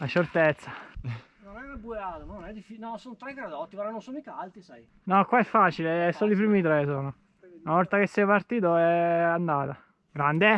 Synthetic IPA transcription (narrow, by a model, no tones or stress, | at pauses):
lat͡ʃːert̪et̪sːa | nonɛebueaːt̪omanonɛd̪ifit͡ʃnɔsonot̪ɾɛkːaɾad̪ɔt̪ːipaɾanonsonoikaalt̪isaj | nɔkwaɛfːaːt͡ʃileɛsːoːloipɾiːmit̪ɾesoːno | lavɔlt̪akesːɛjapart̪iːt̪oɛand̪aːt̪a | ɡɾand̪e